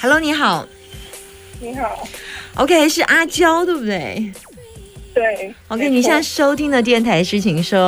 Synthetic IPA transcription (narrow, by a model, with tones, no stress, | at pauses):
xa˧˩lo˧˥ʊni˧˥xɑ˨˩˦ʊ | ni˧˥xɑ˨˩˦ʊʔo̰˧kʰe˥˧˥ʂɻ̩˥˩ʔa˥t͡ɕjɑ˥ʊt̪we˥˧ɪbu˩d̪we˥˩ɪ | t̪we˥˩ɪo˥˧ʊkʰe˥ɪni˨˩ɕjɑ˥˧˩ŋʂo˥ʊt̪ʰi˥ŋd̪ə˨t̪̬jɛ˥˩nt̪ʰa˧˥ɪʂɻ̩˥˩t͡ɕʰi˨˩ŋʂo˥